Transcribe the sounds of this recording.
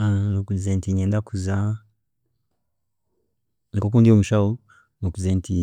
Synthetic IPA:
anokuzɛntiɲɛːndakuza | nikok̬uːndiomuʃau | nokuzɛnti

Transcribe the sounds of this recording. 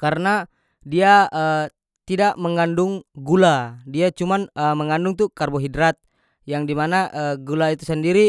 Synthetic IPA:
kaɾəna | diaə | t̪idaʔməŋandʊŋɡuladiat͡ʃumanəməŋandʊŋt̪ukarboɦidɾat̪̚ | jaŋdimanaʔəɡulait̪usəndiɾi

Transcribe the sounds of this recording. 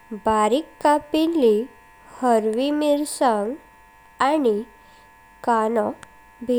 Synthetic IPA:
baɾikːapilːi | həɾʋimiɾsaŋɡ | ani | kanɔ | bʱi

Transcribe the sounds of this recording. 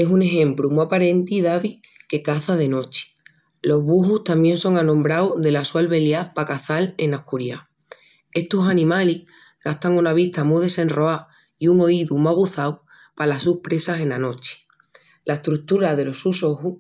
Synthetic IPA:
e̞sune̞xẽ̞mpɾumuapaɾe̞nt̪iðaβi | ke̞kaθaðe̞no̞t͡ʃi̥ | lo̞ɦβuɦuht̪amje̞nso̞ŋanõmbɾawðe̞laswalβe̞ljaθpakaθale̞nakuɾja | e̞ht̪osanĩmalih | ɡ̥aht̪aŋunaβ̞it̪amuð̞e̞se̞nro̞a | iuŋo̞iðumaɣ̞uθaw | palasuhpɾe̞sase̞nano̞t͡ʃi̥ | laehst̪ɾuk̚t̪uɾaðe̞lo̞suso̞hu

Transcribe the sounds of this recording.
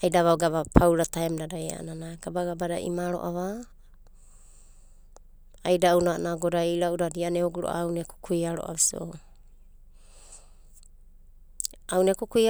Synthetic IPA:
ajdaβawɡaβapʰawɾataemdadaja̰ʔnanaɡabaɡabadaḭmaɾo̞̰ʔaβa | ajdaunanaɡodaiɾaʔudadianeoɡuɾo̰ʔa̰wneku̥kʰujaɾoʔa̰βiso | awnekukua

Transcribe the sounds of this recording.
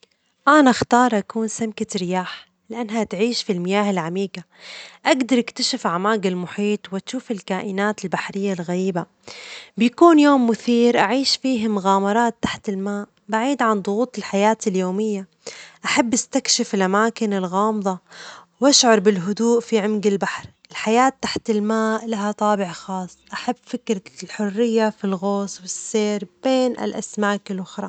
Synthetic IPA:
ʔanaxt̪ɑːɾˤʔakuːnsɪmkaɾɪjaːħ | lɪʔanːɦat̪ʕiːʃfilmɪjaːɦɪlʕamiːɡa | ʔaɡd̪ɑɾˤʔɪkt̪aʃɪfʕamaːɡɪlmʊħiːt̪ˤwat̪ʃuːfɪlkaːʔɪnaːt̪ɪlbaħɾɪjːalɣaɾiːba | bjakuːnjoːmːʊθiːɾʔaʕiːʃfiːɦamʊɣaːmɑɾˤɑːt̪ːḁħt̪ɪlmaːʔ | baʕiːd̪ʕand̪ˤʊɣuːt̪ˤɪlħajaːt̪ɪljoːmɪjːa | ʔaħabːʔɪst̪akʃɪfɪlʔamaːkɪnɪlɣɑːmðˤɑwʔaʃʕɑɾˤbɪlɦʊd̪uːʔfiʕɪmɡɪlbaħɾʔɪlħajaːt̪ːaħt̪ɪlmaːʔlaɦat̪ˤɑːbɪʕxɑːsˤːʔaħabːfɪkɾɪlħʊrːɪjːafilɣoːswɪsːeːɾb̥eːnʔɪ̰lʔa̰smaːkɪlʔʊxɾˤɑ

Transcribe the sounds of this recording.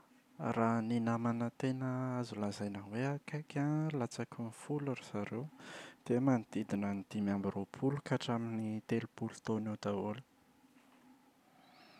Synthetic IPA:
raninamanət̪enəazulazajnanweakakʲalat͡sakunifulaɾisaɾewd̪̥emanid̪̥id̪inənid̪̥imambiropʰulukaʈ͡ʂaminit̪elupulu̥t̪oned̪aulə̥

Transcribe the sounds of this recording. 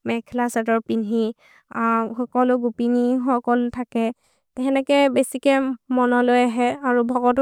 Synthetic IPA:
mɛkʰɛlasatɔɹpinɦi | axɔkɔlʊɡupiniɦɔkɔltʰakɛ | tɛɦɛnɛkɛbesikɛmɔnɔlojaɦɛaɹubʱɔɡɔt̬

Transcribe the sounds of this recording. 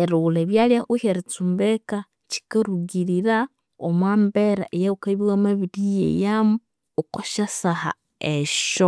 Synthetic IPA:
eɾuleβjaljaxuheɾit͡sumbeka | t͡ʃi̥kaɾuɡiɾiɾa | omwaːmbeɾa̰ʔejaukaβiwamaβidijḛjamu | okoʃasaha̰ | eʃo

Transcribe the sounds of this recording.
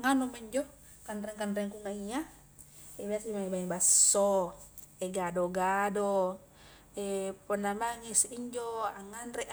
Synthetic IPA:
ŋanɔmaɲd͡ʒɔ | kanɾɛŋkanɾɛŋkuŋaŋia | ɛbeasimaŋibaibasːɔ | ɛɡadɔɡadɔ | ɛpɔnamaŋisiɲd͡ʒɔaŋanɾɛʔ

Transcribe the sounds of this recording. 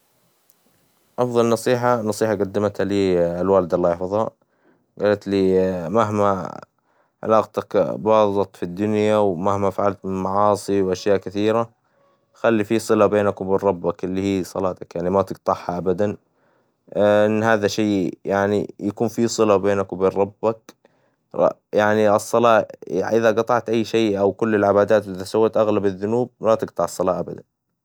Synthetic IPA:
ʔɑfðˤɑlnɑsˤiːħanːɑsˤiːħaɡad̪ːamat̪aliːalwaːld̪alːaːjɪħfɑðˤha̰ | ɡaːlat̪liːmaɦma | ʕɪ̰laːqt̪akbɑzˤɑt̪ˤfid̪ːʊnjawmahmafaʕalt̪mɪnmɑʕɑːsˤiwʔaʃjaːʔkɪθiːɾa | xalːifiːsˤɨlabeːnakwbɪrˤɑbːakɪlːihiːsˤɑlɑːt̪akjaʕnimat̪ɪɡt̪ˤɑħhaʔabad̪an | ɪnːɦaːðaʃeːjaʕnḭjakuːnfisˤɨlabeːnakwbeːnɾˤɑbːak̚ | jaʕniʔɑsˤːɑlɑ̰ːʔɪðaɡɑt̪ˤɑʕt̪ʔajːʃeːʔawkʊlːɪlʕɪbaːd̪aːt̪ʔɪðasawːat̪ʔaɣlabaðːʊnuːb̚lat̪ɪɡt̪ˤɑʕɑsˤːɑlɑːʔabad̪an

